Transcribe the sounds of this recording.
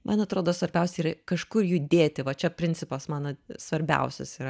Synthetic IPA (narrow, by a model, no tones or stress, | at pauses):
mʔɐnɐt̪ɾoːd̪oːsʋɐɾʲbʲɛʊsʲɛiɾɐkɐʃkʊrjʊd̪ʲeːt̪ʲɪʋɐt͡ʃʲɛpʲɾʲɪnʲt͡s̪ʲɪpɐsmɑːnosʋɐɾʲbʲɛ̰ʊsʲɛ̰siːɾɐ